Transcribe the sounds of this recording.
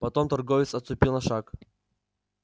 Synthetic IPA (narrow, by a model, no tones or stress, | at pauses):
pɐt̪omt̪ɐrɡovʲɪt̪sɐt̪st̪ʊpʲilˠnɐʂak